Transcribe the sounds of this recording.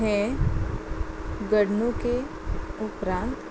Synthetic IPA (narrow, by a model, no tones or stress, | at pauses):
ɦɛ̃ | ɡəɽnõke | ʊpɾãːnt̪